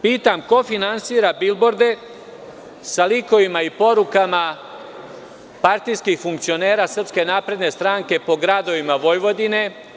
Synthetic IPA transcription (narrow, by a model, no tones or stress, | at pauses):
piːt̪amko̞finansiːɾabilbo̞ɾd̪e̞ | saliko̞ʋimaipo̞ɾukama | paɾt̪ijskixfuŋk̚t̪sio̞ne̞ːɾaːsr̩pske̞naːpɾe̞d̪ne̞st̪ɾaːŋke̞po̞ɡɾad̪o̞ʋimaʋo̞jʋo̞d̪ine̞